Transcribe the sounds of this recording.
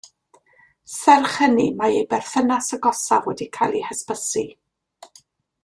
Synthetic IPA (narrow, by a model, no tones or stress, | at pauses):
sɛrχənimaejbɛrθənasəɡɔsavoːdikʰalˠihəspəsi